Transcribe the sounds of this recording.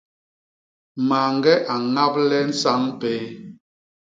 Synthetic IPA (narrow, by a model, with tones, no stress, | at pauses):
ma˨ŋɡɛ˦ʔa˨ŋa˦p̚lɛ˦n̩˦sa˦ŋpeː˦